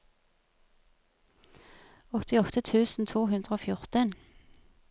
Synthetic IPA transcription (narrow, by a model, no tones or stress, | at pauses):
ɔt̪ɪɔt̪ət̪ʰʉːsn̩t̪ʰuːhʉnd̪ʁəoːfjʊʁt̪ən